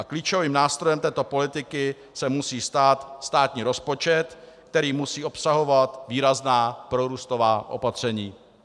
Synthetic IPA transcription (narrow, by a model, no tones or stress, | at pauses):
ʔakliːt͡ʃo̞viːmnaːst̪ɾo̞jɛmt̪ɛːt̪o̞po̞lɪt̪ɪkɪ | sɛmusiːst̪aːt̪st̪aːt̪ɲiːɾo̞spo̞t͡ʃɛt̪ | k̚t̪ɛɾiːmusiːo̞psaɦo̞vat̪viːɾaznaːpɾo̞ɾuːst̪ovaːʔo̞̰pat̪r̝̥ɛɲiː